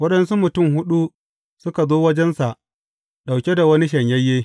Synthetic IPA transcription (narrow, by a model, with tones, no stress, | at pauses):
wɐ˦ɗɐ˦nsu˦mʊ˨tʊ˦˨mhʊ˦ɗu˦ | sʊ˦ka˨zoː˦wɐ˦d͡ʒɛ˦nsa˨ʔ | ɗa˨wkʲe˦da˨wɐ˦ni˦ʃɐ˨ɲjɐ˦jːeː˦